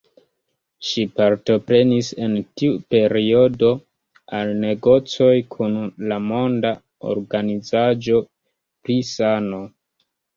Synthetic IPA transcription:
ʃipaɾto̞pɾe̞nise̞ntiupe̞ɾio̞do̞ | alne̞ɡo̞t͡so̞jkʰunlamo̞nda | o̰ɾɡanid͡zad͡ʒo̞ | pɾisano̞

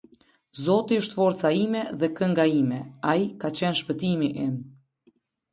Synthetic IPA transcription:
zɔt̪iəʃt̪fɔɾt͡saimɛðɛkəŋɡaimɛaikat͡ɕɛnʃpət̪imiʔɛm

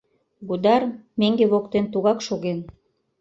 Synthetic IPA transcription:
bud̪ɑrmeŋɡeβokt̪ent̪uɣɑkʃoɣen

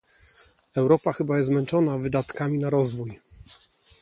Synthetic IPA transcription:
ɛwɾɔpaxɘbajɛst̪zmɛnt͡ʂɔnavɘd̪at̪kamʲinaɾɔzvuj

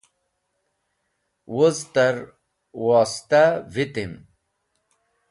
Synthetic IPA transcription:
wozt̪aɾ | waːst̪avit̪im

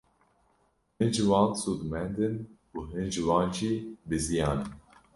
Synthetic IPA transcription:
hɨnʒɨwɑːnsuːd̪ɨmɛnd̪ɨn | uːɦɨnʒɨwɑːnʒiːbɨzijɑːnɨn

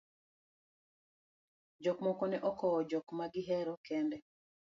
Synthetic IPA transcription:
d͡ʒɔkmɔkɔnɛʔɔkɔɔd͡ʒɔkmaɡɪɦɛɾɔkɛndɛ

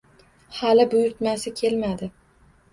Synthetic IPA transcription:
halɪbʊjʊɾt̪masɪkʲʰe̞lmad̪ɪ

